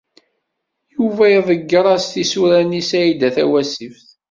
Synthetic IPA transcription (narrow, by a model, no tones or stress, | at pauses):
juvæjðˤəɡːəɾˤæst̪isuɾænisæjid̪æθæwæsifθ